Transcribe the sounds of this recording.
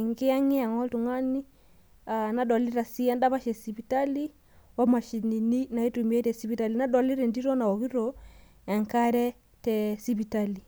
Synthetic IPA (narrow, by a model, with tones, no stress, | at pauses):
ŋɡe˦a˦ŋɪ˦a˨ŋɔ˦ltu˨ŋa˦ni˦ | a˨na˨˦dɔ˨li˦ɾa˨si˦ɛ˦nda˦βa˦ʃɛ˨si˨pi˨ta˦li˦ | wa˦ma˨ʃi˨ni˨ni˦na˨i˦tu˨m˦e˦tɛ˨si˦bi˨˦ta˨li˨na˦dɔ˨li˦ɾɛ˨ndi˦ɾɔ˦na˨ɔ˨ɣi˦ɾɔ˨ | ɛ˨ŋka˦ɾɛ˦ | tɛ˨si˦βi˨ta˦li˨